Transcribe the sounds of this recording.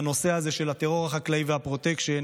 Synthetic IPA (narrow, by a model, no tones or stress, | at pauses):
no̞seaze̞ʃe̞lhat̪eʁo̞ʁaχaklaivehapʁo̞t̪ekʃe